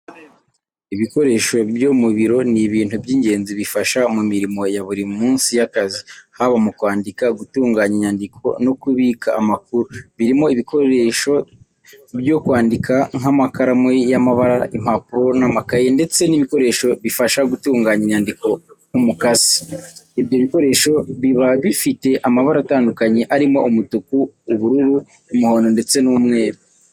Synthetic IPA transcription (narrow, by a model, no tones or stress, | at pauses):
iβiko̞ɾe̞ːʃo̞bjomuβiɾo̞niβiːntubjiːɲɟe̞ːnziβifaʃamumiɾimo̞jaβuɾimumuːnsijakazihaβamukwaːndikaɡutuːŋɡaːɲiɲandikʰo̞̰no̞kuβiːkʰaːmak̚uɾuβiɾimo̞iβiko̞ɾe̞ʃo̞ | bjo̞kwaːndikʰaŋamakaɾamwejamaβaɾaʔim̥apuɾonamakajende̞t͡se̞niβiko̞ɾe̞ʃo̞βifaʃaɡutuːŋɡaːɲeɲaːndiko̞numukasi̥ebjo̞βiko̞ɾe̞ːʃo̞βiβaβifite̞ʔamaβaɾaːtaːndukaɲe̞ʔaɾimo̞ʔumutukuːβuɾuɾuː | muho̞ːndo̞nde̞t͡se̞numŋe̞ːɾa